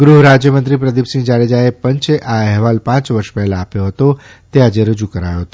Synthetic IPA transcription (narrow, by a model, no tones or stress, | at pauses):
ɡɾuɦɾad͡ʒjəmənt̪ɾipɾəd̪ipsĩd͡ʒaɽed͡ʒaepəɲt͡ʃeʔaɛɦʋalpãt͡ʃʋəɾʃpɛɦlãːpjoɦət̪o | t̪ead͡ʒeɾəd͡ʒukəɾajoɦət̪o